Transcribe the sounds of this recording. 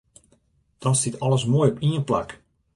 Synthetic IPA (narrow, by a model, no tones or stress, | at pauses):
d̥ɔnsɪtʰɔləsmoːjɔpiənpla̰k